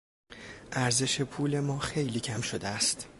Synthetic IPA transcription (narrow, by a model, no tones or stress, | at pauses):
ʔæɾze̞ʃe̞pʰuːle̞mɒːxe̞jliːcʰæmʃo̞d̪eæst̪